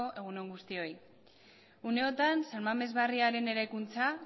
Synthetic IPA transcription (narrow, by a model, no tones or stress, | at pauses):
o̞ʔe̞ɣ̞uno̞ŋɡust̪io̞j | une̞o̞t̪ansaɾmame̞zβariaɾe̞ne̞ɾajkunt͡sa